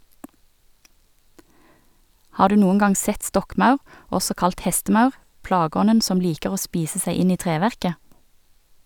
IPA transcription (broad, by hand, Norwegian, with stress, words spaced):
ˈhɑː ˈdʉː ˈnuːən ˈɡɑŋ ˈsɛt ˈstɔkˌmɑʉʁ ˈɔsɔ ˈkɑlt ˈhɛstm̩ˌɑʉʁ ˈplɑːˌɡɔnən ˈsɔm ˈliːkəʁ ˈoː ˈspiːsə ˈsæɪ ˈɪn ˈiː ˈtʁeːˌʋæʁkə